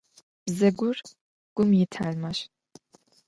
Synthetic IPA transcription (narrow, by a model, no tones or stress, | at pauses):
b̥zɐɡʷʊr | ɡ̥ʷʊmjɪtʰaːlmɐɕ